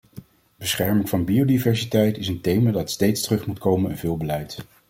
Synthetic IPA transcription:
b̥əsχɛɹmɪŋvɑnbiowdivɛɹsitɛjtɪsəntejmaːdɑtstejtstərɵχmutkowmənənvɪːlˠbəlɛjt

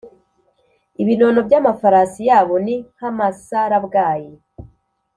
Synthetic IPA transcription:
iβino̞ːno̞bɟamafaɾaːsijaːβo̞nihamasaɾabɡaːje

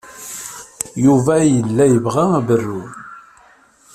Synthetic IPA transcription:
juvæjəlːæjəvʁææbərːun

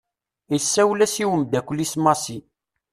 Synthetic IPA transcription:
isːæwlæsiwəmd̪ækʷːəlːismɑsi

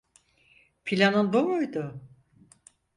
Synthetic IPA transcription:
pʰilʲanɯnbomujd̪ʊ

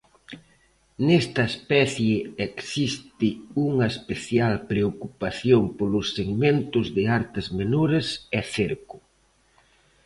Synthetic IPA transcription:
nɛst̪ɐespɛθjeɛksist̪ɪuŋɐespeθjalpɾeokupaθjoŋpolʊsːeɣment̪ʊzðɪaɾt̪ɪzmenoɾesɛθeɾkʊ

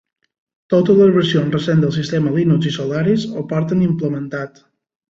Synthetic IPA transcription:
t̪ot̪əzləzβəɾsionzrəsend̪əlˠsist̪eməlinuzisolaɾisopaɾt̪ənimpləmənt̪at̪

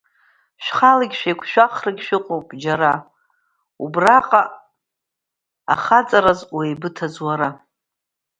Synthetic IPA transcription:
ʃᶣχalaɡʲʃᶣajkʷʰʃᶣʷaχrɨɡʲʃɪqʷʼowpʼd͡ʒaɾa | ubraqʼa | a̰χat͡sʼaɾazwejbɨtʰazwaɾa

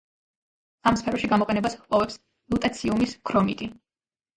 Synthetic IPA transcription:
amspʰɛɾɔʃiɡamɔqʼɛnɛbaspʼɔvɛps | lˠut̪ʼat̪sʰiumiskʰɾɔmit̪ʼi

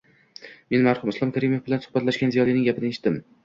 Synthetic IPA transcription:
me̞nmaɾhʊmɪslˠɒmkʲʰaɾimo̞fbɪlansʊ̥bat̪laʃɡʲanzijɒlˠinɪŋɡʲapʰɪnɪeʃɪ̥t̪d̪ɪm

